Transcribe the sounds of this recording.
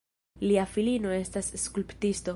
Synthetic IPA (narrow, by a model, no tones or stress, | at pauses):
liafilino̞e̞stasːkulptisto̞